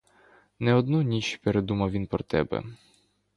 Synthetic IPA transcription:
nɛɔd̪nunʲit͡ʃpeɾed̪umɐwʋʲinpɾɔt̪ɛ̰bɛ̰

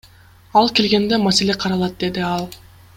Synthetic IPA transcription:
ɑlˠke̞lɡʲe̞nd̪e̞mase̞leqʰɑɾɑlˠɑt̪̚d̪e̞d̪iɑlˠ

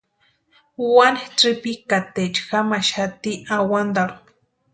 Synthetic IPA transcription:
wanʈ͡ʂipikat̪et͡ʃxamaʃat̪iʔawand̪aɾ

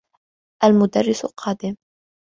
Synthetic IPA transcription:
ʔalmʊd̪arːɪsʊqʰɑːd̪ɪm

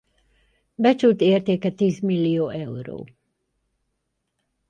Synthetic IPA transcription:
bɛt͡ʃult̪eːrt̪eːkɛt̪iːzmilːioːʔɛuro̰ː

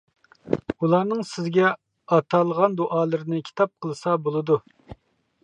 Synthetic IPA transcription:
ulˠɑːnɨŋsɪzɡʲɛ | ɑt̪ʰɑlˠəʁɑnd̪uʔɑːlˠɨɾɪnɨkʲʰi̥t̪ʰɑp̚qʰəlˠɨsɑbolˠɨd̪u

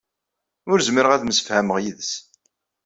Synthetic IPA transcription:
ʊɾzəməɾəʁæðməsə̥fhæməʁjiðəs

